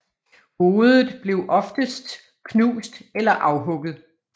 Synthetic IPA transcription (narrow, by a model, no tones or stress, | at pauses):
ho̝ːðˠð̩ˠb̥le̝ʊʔɒ̽fd̥əsd̥ | kʰnṵːsd̥elɐʔɑ̈ʊɦɔ̽ɡ̥ð̩ˠ